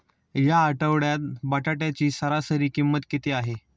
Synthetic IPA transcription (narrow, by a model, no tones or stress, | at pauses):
jaːʈəʋɽjat̪̚baʈaʈjat͡ɕiːsəɾasəɾiːkimːət̪kit̪eaɦe